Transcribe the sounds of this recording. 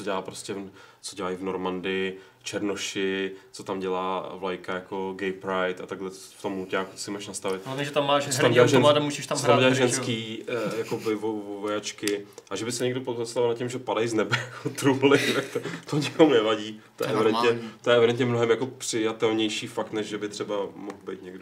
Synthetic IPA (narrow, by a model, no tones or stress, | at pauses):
t͡soɟɛlaːpɾoscɛt͡soɟɛlajvnoɾmandɪ | t͡ʃɛɾnoʃɪt͡sot̪amɟɛlaːvlajkajako̞ɡɛjpɾajt̪at̪aɡlɛt͡s | ft̪omhucaːkut̪sɪmaʃnast̪avɪt̪ɛʒɛt̪amːaːʃt͡sot̪amɛlaʒɛnmadɛmuʒiʃt̪at͡sot̪amɟɛlaʒɛnskiːjakobɪvovovojat͡ʃkɪʔaʒɛbɪsɛɲɛɡdopoost̪avalnacɪmʒɛpadajznɛbɛjakot̪ɾuːlɪt̪akt̪t̪oɲɪkomunɛvaɟiːt̪ojɛ̰ʔɛvɪdɛnɲɛt̪o̞jɛʔɛvɪdɛnt̪ɲɛmnoɦɛmjako̞pr̥ɪjat̪ɛlɲɛjʃiːfakt̪nɛʒʒɛbɪt̪r̝̥ɛbamoxbɛjt̪ɲɛɡd